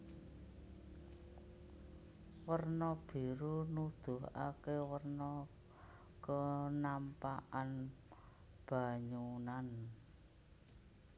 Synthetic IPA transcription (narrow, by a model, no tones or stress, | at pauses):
wərnɔb̥i̤ɾunud̪̥ʊ̤ɦa̰kewərnɔ | kənampaʔan | b̥a̤ɲunan